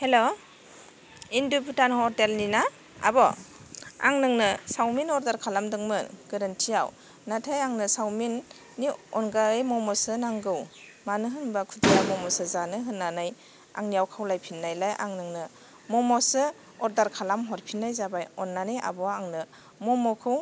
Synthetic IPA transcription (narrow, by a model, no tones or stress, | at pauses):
helo | indupʰutanhɔɾtelnina | a̰bɔ | a̰ŋnɯŋnɯsawminɔɾdaɾkʰalamdɯŋmɯɡ̥ɯɾɯntʰija̰w | natʰajaŋnɯsawminː | iɔnɡaɯjmɔmɔsɯnaŋɡɯwmanɯɦɯnbakʰudijamɔmɔsɯzanɯɦɯnːanaj | a̰ŋnijawkʰawlajpʰinːajlajʔa̰ŋnɯŋnɯ | mɔmɔsɯ | ɔɾdaɾkʰalamɦɔɾpʰinːajzabajɔnːanɯjʔa̰bɔaŋnɯ | mɔmɔkʰɯw